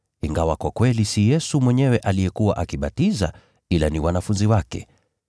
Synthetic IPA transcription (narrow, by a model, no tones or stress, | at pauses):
iŋɡawakwakwɛlisijɛsumwɛɲɛwɛʔalijɛkuwa̰ʔakiɓatiza̰ | ilaniwanafunziwakɛ̰